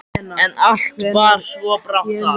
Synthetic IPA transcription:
ɛnal̥t̪vaɾ̥svɔpɾawt̪a

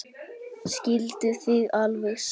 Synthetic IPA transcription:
scɪlt̪ʏθiɣalvɛɣs

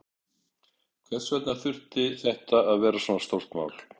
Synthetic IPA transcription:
kʰvɛ̥svɛt̪nḁθʏr̥t̪ɪθɛht̪aːðvɛːɾasɔːnast̪owr̥t̪ma̰ːwl̥

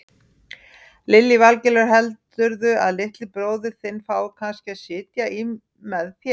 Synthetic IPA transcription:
lɪlːivalcɛlaɾ̥ɦɛlt̪ʏɾðʏʔa̰ðlɪht̪lɪpɾoːwðɪɾ̥θɪnːfaːwkʰanscɪaðsɪːt̪jai | mɛðθjɛ

